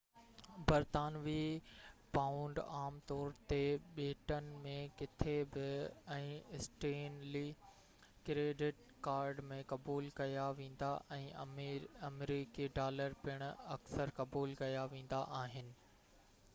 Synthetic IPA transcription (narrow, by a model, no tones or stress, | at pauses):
bɐɾt̪aːnʋi | pãːʊ̃ɳɖaːmt̪ɔːɾt̪eɓeːʈənɪ̆mẽkɪt̪ʰebɪɛ̃ːɪsʈeːnli | kɾeːɖɪʈ̚ | kaːɾɖmẽkɐbuːlkɐjaʋẽːn̆d̪aʔɛ̃ː | ɐmɾiːkiɖaːləɾpɪɽ̃ɐksəɾkɐbuːlkɐjaʋẽːn̆d̪aʔaːɦɪnɪ̆